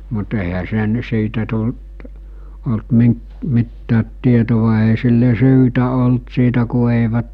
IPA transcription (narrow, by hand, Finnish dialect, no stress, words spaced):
mut eˑihæ sen siːtæ tult olt miŋk mitːæːt tietoʋɑ eˑi silːe syːtæ olt siːtæ ku eˑiʋæt